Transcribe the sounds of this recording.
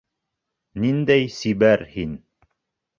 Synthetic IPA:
nind̪æjsibæɾhin

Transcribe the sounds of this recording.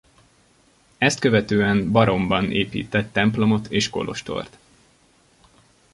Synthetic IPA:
ɛst̪̚køvɛt̪øːɛmbɒɾo̞mbɒnḛːpḭːt̪ɛt̪ːɛmplo̞mo̞t̪ʰeːʃko̞̰lʔo̞̰ʃt̪o̞̰rt̪

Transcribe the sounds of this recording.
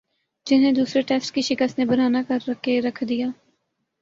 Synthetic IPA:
d͡ʒɪnɦẽd̪uːsɾeʈɛːsʈkiʃɪkəst̪nebəɾaːnakəɾːəkʰeɾɐkʰd̪ijaː

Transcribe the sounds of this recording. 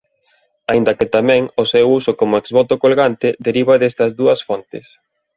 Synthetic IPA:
aĩnd̪ɐkɪt̪amɛ̃ŋʊsewusokomʊekzβɔt̪okolɣant̪ɪd̪eɾiβɐðest̪ɐzðuɐsfɔnt̪ɪs

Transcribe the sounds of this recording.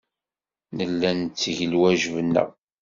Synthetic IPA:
nəlːænt͡sːʝəlwæʒvənːə̰ʁ

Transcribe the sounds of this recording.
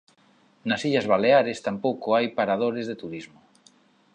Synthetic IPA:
nasiʎazβ̞aleaɾest̪ampowkoajpaɾað̞oɾezðet̪uɾizmo

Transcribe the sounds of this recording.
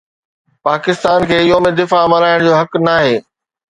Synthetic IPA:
paːkɪst̪aːnkʰeːɪjomẽd̪ɪfamɐɾaːɪɽ̃d͡ʑoːɦɐknaːɦeː

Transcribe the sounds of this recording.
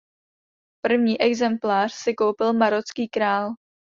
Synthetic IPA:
pr̩vɲiːʔɛɡzɛmplaːr̝̥sɪko̞wpɪlmaɾot͡skiːkɾaːl

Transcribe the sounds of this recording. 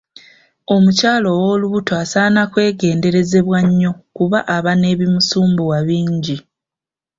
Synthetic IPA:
o̞mucaːlo̞wo̞ːluβutoasanakwe̞ːɡe̞ːnde̞ɾe̞ze̞βwaɲːo̞kuβaʔaβane̞ːβimusuːmbuwaβiːɲɟi

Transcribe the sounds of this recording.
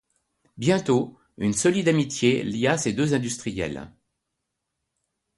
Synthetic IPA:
bjɛ̃t̪o | ynsɔlid̪amit̪jelijased̪øzɛ̃d̪yst̪χijɛ̰l

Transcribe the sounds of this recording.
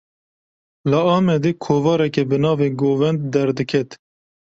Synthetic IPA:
lɨɑːmɛd̪eːkʰoːvɑːɾɛkebɨnɑːveːɡoːvɛnd̪̚d̪ɛɾd̪ɨkʰɛt̪

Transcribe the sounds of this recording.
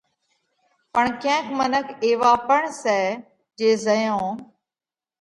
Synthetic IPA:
pəɳkẽːkʰmənəkʰeːʋaːpəɳsɛː | d͡ʒeːzəjõː

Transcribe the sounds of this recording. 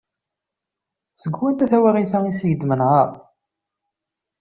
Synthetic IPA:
səɡːwænt̪æθæwæɾiθæisəʝəd̪mənʁɑɾˤ

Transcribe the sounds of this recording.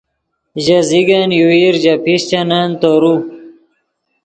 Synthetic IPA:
ʑɐziɡɐnjuiɾʑɐpʰiɕt͡ɕɐnant̪oɾu

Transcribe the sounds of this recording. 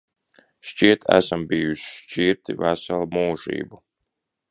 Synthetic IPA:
ʃt͡ʃiɛt̪ʰæ̰sambiːjuʃi̥ʃt͡ʃiɾt̪ivæsalˠmuːʒḭːbu

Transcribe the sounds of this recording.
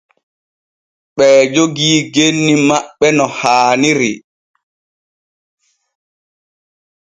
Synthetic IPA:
ɓɛːd͡ʒoɡiːɡenːimaɓːɛnɔhaːniɾi

